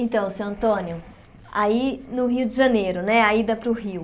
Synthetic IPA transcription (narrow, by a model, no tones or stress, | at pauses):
ẽnt̪ɐ̃w̃sewɐ̃nt̪õnjʊ | ainʊɦiʊd͡ʒɪʒɐnejɾʊnɛaid̪apɾʊɦiw